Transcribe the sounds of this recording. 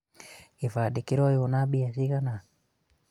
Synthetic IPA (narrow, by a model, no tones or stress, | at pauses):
ifadikiɾɔiunabiasiɣana